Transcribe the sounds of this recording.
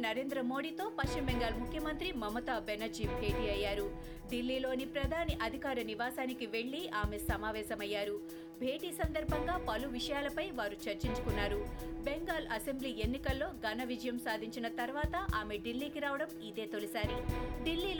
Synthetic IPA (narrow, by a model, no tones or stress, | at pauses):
nɐɾe̞ːnd̪ɾɐmo̞ːɽiːt̪o̞ːpɐst͡ʃimbeŋɡaːlmukʰːjɐmɐnt̪ɾimɐmɐt̪aːbenɐd͡ʒiːmbʱe̞ːʈiːɐjːaːɾu | ɖilːiːlo̞ːnipɾɐd̪ʱaːniʔɐd̪ʱikaːɾɐniʋaːsaːnikiʋe̞ɭːiaːme̞sɐmaːʋɛːsɐmɐjːaːɾu | bʱe̞ːʈiːsɐnd̪ɐɾbʱɐŋɡaːpɐluʋiʂɐjaːlɐpɐjʋaːɾut͡ʃɐɾt͡ʃiɲt͡ʃukunːaːɾubeŋɡaːlɐse̞mbliːe̞nːikɐlːo̞ːɡɐnɐʋid͡ʒɐjɐmsaːd̪ʱiɲt͡ʃinɐt̪ɐɾʋaːt̪ɐʔaːme̞ɖilːiːkiɾaːʋɐɽɐmid̪e̞ːt̪olisaːɾiɖilːiːl